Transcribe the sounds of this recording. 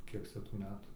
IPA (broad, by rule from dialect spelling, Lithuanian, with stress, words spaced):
ˈkʲiɛk t͡sʲɛ tuː ˈmʲæːtuː